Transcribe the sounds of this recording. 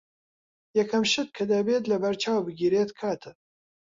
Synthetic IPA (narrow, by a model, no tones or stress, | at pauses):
jɛkʰɐmʃɨt̪̚kʰɐd̪ɐbeːt̪lɐbɐɾt͡ʃaːwbɨɡiːɾeːt̪kʰaːt̪ʰɨ